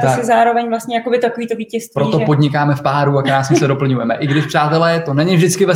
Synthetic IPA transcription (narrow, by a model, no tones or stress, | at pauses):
t̪osɛzaːɾo̞vɛɲvlast̪ɲɛjakobɪt̪akoviːt̪oviːcɛst̪vpɾoit̪opo̞dɲɪkaːmɛfpaːɾuakɾaːsmɛsɛdo̞pl̩ɲujɛmɛʔɪɡdɪʃpr̝̥aːt̪ɛlɛːt̪onɛɲɪvʒdɪt͡skɪvɛ